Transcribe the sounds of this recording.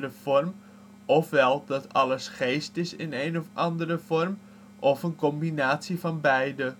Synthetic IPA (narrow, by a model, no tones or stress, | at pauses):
rəfɔrm | ɔfʋɛlˠdɑtʰɑləsχejstɪsɪnejnɔfɑndərəfɔrm | ʔɔfənkɔmbinaːtsifɑnbɛjdə